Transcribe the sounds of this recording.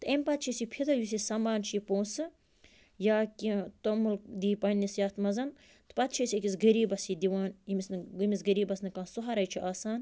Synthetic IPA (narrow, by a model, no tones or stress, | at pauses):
t̪ɨemʲpɐt̪̚t͡ʃʰisipʰid̪ɐjus̬isɐmbaːnt͡ʃʰipõːnsɨ | jaːkʲit̪omuld̪iːpɐnʲːisjaːt̪mɐzɐn | t̪ɨ̥pɐt̪̚t͡ʃʰisʲikisɡɐɾiːbɐsid̪iʋaːnimisnɨimisɡɐɾiːbɐsnɨkãːsuɦɐɾɐjt͡ʃʰiʔaːsaːn